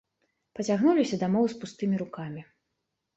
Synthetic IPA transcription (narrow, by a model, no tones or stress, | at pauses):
pɐt͡sʲaɣnulʲisʲɐd̪amɔwspust̪ɨmʲiɾukamʲi